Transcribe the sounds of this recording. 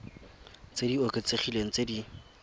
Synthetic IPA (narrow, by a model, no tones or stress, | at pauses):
t͡sedioket͡seχileŋ̩t͡sedi